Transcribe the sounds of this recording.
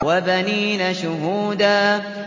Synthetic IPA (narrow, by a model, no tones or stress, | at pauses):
wabaniːnaʃʊɦuːd̪aː